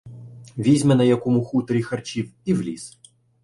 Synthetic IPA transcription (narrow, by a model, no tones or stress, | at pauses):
ʋʲizʲmɛnɐjɐkɔmuxut̪ɐɾʲixɐrt͡ʃiwiwlʲḭs